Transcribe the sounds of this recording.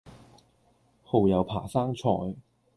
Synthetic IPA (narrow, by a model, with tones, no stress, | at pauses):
ho˨wjɐ˨˧wpʰaː˨˩saː˥ŋt͡sʰɔː˧j